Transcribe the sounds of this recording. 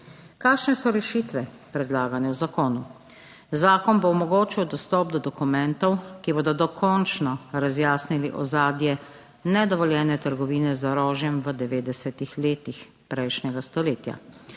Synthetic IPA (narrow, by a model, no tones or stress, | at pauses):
kaːkʃnɛsɔɾɛʃiːt̪ʋɛ | pɾɛd̪laːɡanɛwzakɔːnu | zaːkɔnboɔmɔɡoːt͡ʃiwd̪ɔst̪ɔːp̚d̪ɔd̪ɔkumɛnt̪ɔwkiboːd̪ɔd̪ɔkʰɔnt͡ʃnɔɾazjaːsniliʔɔ̰zaːd̪jɛ | nɛd̪ɔʋɔljɛːnɛt̪əɾɡɔʋiːnɛzaɾɔːʒjɛmʋəd̪ɛʋeːd̪ɛsɛt̪ixleːt̪ix | pɾɛjʃnɛɡast̪ɔleːt̪ja̰